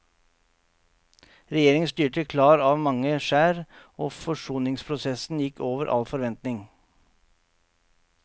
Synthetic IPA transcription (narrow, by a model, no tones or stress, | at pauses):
ɾɛjeːɾɪŋənst̪yːʈəkʰlɑːɾɑːʋmɑŋəʂæːɾoːfɔʂuːnɪŋspʰɾʊsɛsn̩jɪkʰːoːʋəɾʔɑ̰lfɔɾʋɛnt̪nɪŋ